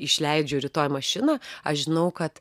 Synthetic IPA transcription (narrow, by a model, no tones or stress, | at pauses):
ɪʃʲlʲɛɪd͡ʒʲoʊɾʲɪt̪oːjmɐʃʲɪnaːɐʃʒʲɪnɐʊkɐt̪